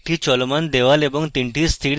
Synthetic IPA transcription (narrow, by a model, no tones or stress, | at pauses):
ʈʰiːt͡ɕɔlmand̪eʋalebəŋɡt̪iɳʈʰiːst̪ʰiɽ